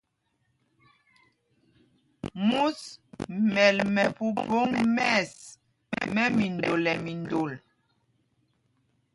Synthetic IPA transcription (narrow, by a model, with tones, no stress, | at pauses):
mu˦smɛ˨lmɛ˨pu˦bo˦ŋmɛ˦˨s | mɛ˦mi˨ndo˨lɛ˨mi˨ndo˨l